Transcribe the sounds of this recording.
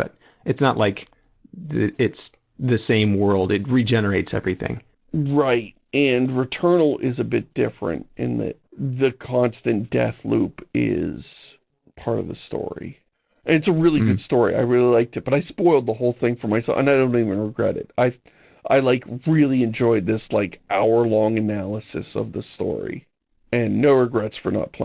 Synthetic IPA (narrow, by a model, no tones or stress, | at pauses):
b̥ʌ̰ɾ | ʔɨtsnəʔlʔaɪk | ðɨɪts | ðɨsẽɪ̃mwɜ˞lˠdɨt̚ɹid͡ʒɛnə˞eɪtsɛ̰vɹiθɪ̰̃ŋ | ɹaɪt̚ɨ̃nɹɨtʰɜ̃˞nl̩ˠɪzɨbɪt̚d̥ɪfɹɨ̰̃nt̚ʔɨ̰̃nðɨ̰t̪̚ðɨkʰɑ̃nstɨ̃nd̥ɛ̰θlupɪ̰z̥ | pʰɑɹɾʌ̰vðɨ̰stɔ̰ɹḭ | ʔɨ̃nɨtsəɹɪlˠiɡʊd̥stɔɹḭa̰ɪɹɪlˠilaɪk̚tɨt̚b̥ʌɾaɪspɔɪlˠd̪̚ðəɦoʊlˠθɪ̃ŋfə˞maɪsɛ̰ʔə̰̃naɪdõʊ̃ntivɨ̃nɹɨɡɹɛ̰ɾɨ̰t̚aɪ | ʔaɪlaɪkɹɪlˠiɨ̃nd͡ʒɔɪd̪̚ðɪslaɪkʔaʊə˞lɔ̃ŋɨnælˠəsɨ̰sʌ̰vðəstɔ̰ɹḭ | ɨ̃nːoʊɹɨɡɹɛtsfə̰˞nə̰t̚pʰl̥̰